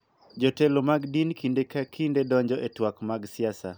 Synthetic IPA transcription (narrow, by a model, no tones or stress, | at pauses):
d͡ʒɔtɛlomaɡdinkindekakʰindedɔɲd͡ʒɔʔetwakmaɡsɪasa